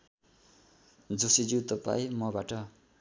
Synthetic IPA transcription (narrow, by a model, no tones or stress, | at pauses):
d͡zosid͡zit̪ʌpa̰imʌbaʈʌ